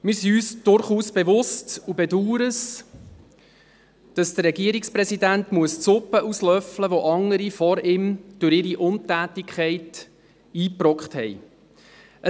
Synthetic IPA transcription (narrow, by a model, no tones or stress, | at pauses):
mɪɾsiyːsd̥ʊɾχuːsb̥evʊstubɛduːɾəs | d̥ɑsd̥̪ərɾɛɡiəɾikspɾɛsidæntmuəst͡sʊpːəʔuslœfləʋoʔɑŋəɾifɔɾɪmd̥ʊɾɪɾiʔʊntæːtɪkʰχɛɪt | iːprɔkχthɛ̰j | ʔə